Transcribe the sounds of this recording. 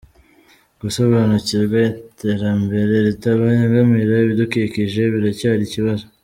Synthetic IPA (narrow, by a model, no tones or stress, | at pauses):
ɡ̥uso̞βaːnuciɾɡwaite̞ɾambe̞ɾe̞ɾitaβaeŋɡamiɾaβidukikiʒe̞βiɾacaɾiciβazo